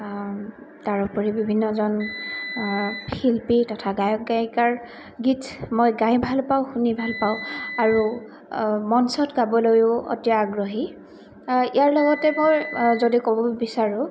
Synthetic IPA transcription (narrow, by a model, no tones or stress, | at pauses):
taɹupɔɹibibʱinːɔzɔn | xilpitɔtʰaɡajɔk̚ɡajkaɹ | ɡitʰmojɡajbʱalpawxunibʱalpaʊ̃aɹu | mɔnsɔtɡabɔlojʊo̰tijaːɡɹɔɦi | ijaɹlɔɡɔtɛmojzodikɔbɔbisaɹʊ